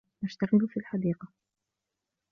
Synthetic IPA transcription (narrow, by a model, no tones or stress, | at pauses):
ʔaʃt̪aɣɪlfiːlħad̪iːqɑ